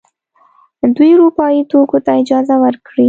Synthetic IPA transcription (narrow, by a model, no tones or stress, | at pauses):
d̪ujuɾupɑjit̪okot̪aɪd͡ʒɑzawəɾkɽi